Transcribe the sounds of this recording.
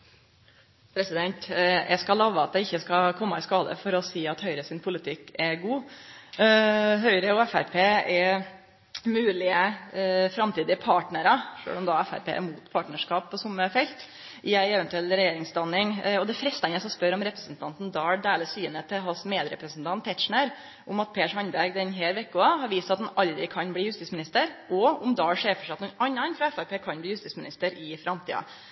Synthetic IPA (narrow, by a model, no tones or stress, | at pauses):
pʰɾɛsɪd̪ɛnt̪jʔæ̰skɑlɑʋːəɑt̪d̪ɛɪçːəskɑkʰɔmːɑɪskɑːd̪ə̰fɔɾɔsiːɑt̪hœʏɾəsɪnpʰʊlɪt̪ʰɪkːɛɡuː | ɦœʏɾəɔɛfæɾpʰeːɛ | mʉːlɪəfɾɑmt̪iːd̪ɪəpʰɑːʈɳəɾɑʂø̰ːɭɔmd̪ɑɛfæ̰ɾpḛːʔɛ̰ɾmuːt̪pʰɑːʈɳəʂkɑːppʰːɔsʊmːəfɛlt̪ | ʔɪæɪɛʋɛnt̪ʉɛlːɾɛjeːɾɪŋsd̪ɑnːɪŋɔd̪ɛfɾɛst̪æɛnəsɔspœɾɔmɾɛpɾəsnt̪ʰɑnt̪n̩d̪ɑːɭɖ̪eːləsyːnət̪ʰːɪlɦɑsmeːd̪ɾɛ̰pɾəsn̩t̪ʰɑnt̪ʰːɛt̪ʂɳəɾ | ʔʊmɑt̪̚pʰeːʂhɑnbæɾɡd̪ɛnɦæːɾʋɛkːʊɑhɑɾʋiːst̪ɑt̪d̪ɛnɑld̪ɾɪkʰɑnbliːjʉst̪iːsmɪnɪst̪əɾʔɔʊmd̪ɑːɽʂeːɾfəʂɛɑt̪nunɑnːɑnfɾɑɛfæpeːkʰɑnb̪iːjʉst̪iːsmɪnɪ̰st̪əɾʔɪfɾɑmt̪ʰḭːɑ̰